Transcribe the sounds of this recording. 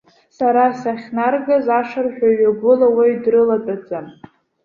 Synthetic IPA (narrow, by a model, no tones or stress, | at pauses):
saɾasaχʲnarɡazaʂarħᶣʷaɥaɡʷʊlawajdrɨlatʼad͡zʼam